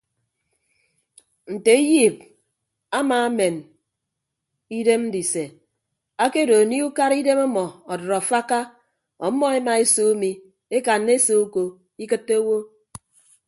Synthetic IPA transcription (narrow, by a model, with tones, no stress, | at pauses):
n̩˨te˨i˦ji˦˨p̚ | a˦ma˨˦me˨n | i˦de˦mn̩˦di˨se˨ | a˦ke˦do˨ni˦u˦ka˦ɾi˦de˦mɔ˦mɔ˨ɔ˨dɔ˨ɾɔ˨fa˦ka˦ | ɔ˨˦mɔ˦e˦ma˨e˦so˦mi˨ | e˦ka˨nːe˦so˦u˦ko˨ | i˦kɨ˦tːe˦o˦wo˦